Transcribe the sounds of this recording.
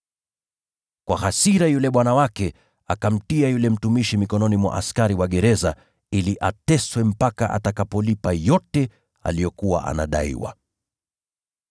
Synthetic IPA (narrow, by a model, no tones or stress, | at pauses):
kwahasiɾajulɛɓwanawakɛ | akam̩tiajulɛm̩tumiʃimikɔnɔnimwa̰ʔaskaɾiwaɠɛɾɛza | iliʔatɛswɛm̩paka̰ʔa̰takapɔlipajɔtɛ | a̰lijɔkuwa̰ʔa̰na̰ɗaḭwa̰